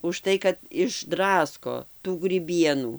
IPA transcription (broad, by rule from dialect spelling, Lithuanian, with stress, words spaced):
ʊʃˈtɐɪ kɐt ɪʒˈdrɑːskoː tuː ɡrʲiːˈbʲiɛnuː